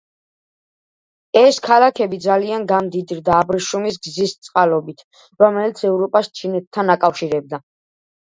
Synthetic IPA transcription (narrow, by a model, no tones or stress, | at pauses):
ɛskʰalakʰɛbid̪zalianɡamd̪id̪ɾd̪aːbɾiʃumis̬ɡzist̪sʼqʼalɔbit̪ʰ | ɾɔmɛlit̪sʰɛvɾɔpʼast͡ʃʰinɛt̪̚t̪ʰːanakʼafʃiɾɛb̚d̪a